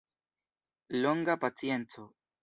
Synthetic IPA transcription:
loŋɡapat͡sije̞nt͡so

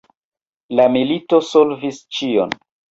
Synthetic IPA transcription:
lamilitosolvist͡ʃio̰n

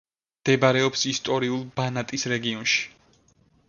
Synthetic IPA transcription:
md̪̥ɛbaɾɛɔpsist̪ʼɔɾiulˠbanat̪ʼisɾɛɡiɔnʃi̥

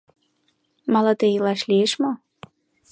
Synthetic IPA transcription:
mɑlɑt̪ejilɑʃlieʃmo

